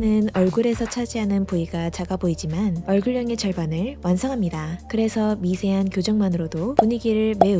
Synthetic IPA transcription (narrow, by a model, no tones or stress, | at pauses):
nɯnʌɭɡuɾe̞sʰʌt͡ɕʰad͡ʑiɦanɯnpuiɡat͡ɕaɡaboid͡ʑimanʌɭɡɯɭːjʌŋe̞t͡ɕʌɭbanɯɭwansʰʌŋɦamɲidakɯɾe̞sʰʌmisʰe̞ɦankjod͡ʑʌŋmanɯɾodopuɲiɡiɾɯɭme̞u